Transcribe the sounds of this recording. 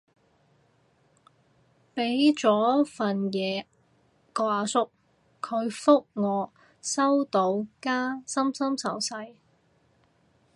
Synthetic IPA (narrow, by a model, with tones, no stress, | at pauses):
pe˨˥jt͡ʃɔː˨˥fɐ˨njɛː˨˧ | kɔː˧aː˨˧sʊ˥k̚ | kʰɵ˨˧ɥfʊ˥k̚ŋɔː˨˧ | sɐ˥wt̪o˨˧wkaː˥sɐ˥msɐ˥msɐ˨˩wsɐ˧j